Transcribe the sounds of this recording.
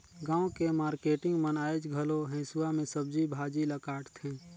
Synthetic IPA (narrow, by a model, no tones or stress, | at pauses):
ɡãːõkemaːɾkeːʈɪ̃ŋɡmənaːed͡ʒɡʱəloɦɛ̃ːsuamẽsəb̚d͡ʒibʱaːd͡ʒiləkaːʈt̪ʰẽː